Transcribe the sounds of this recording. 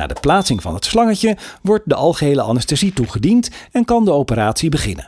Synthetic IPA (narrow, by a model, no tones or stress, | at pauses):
a̰ːdəplaːtsɪŋvɑ̰nɦətslɑŋəcəʋɔɹt̚dəʔɑlˠχəɦejləʔɑ̰nəstazituχədintɛnkɑndəowpəraːtsibəχɪ̰nə̰n